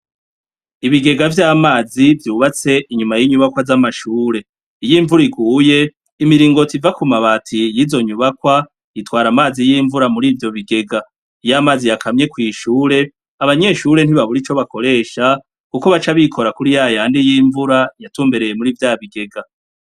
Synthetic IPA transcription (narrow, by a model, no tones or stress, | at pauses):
iβiɡe̞ɡavjaːmaːzivjuːβat͡se̞iɲumajiɲuβakwazamaʃuːɾe̞ | ijiːɱvuɾiɡuːje̞ | imiɾiːŋɡo̞tivakumaβaːtʰijizo̞ɲuβakwa | itwaːɾamaːzijiːɱvuɾamuɾiːvjo̞βiɡe̞ɡa | ijamaːzijakʰamɲe̞kwiːʃuːɾe̞ | aβaɲe̞ːʃuɾe̞n̥hiβaβuɾit͡ʃo̞βakʰo̞ɾe̞ːʃa | kuko̞βat͡ʃaβikʰo̞ɾakuɾijajaaːndijiːɱvuɾajatuːmbe̞ɾe̞je̞muɾivjaːβiɡe̞ɡa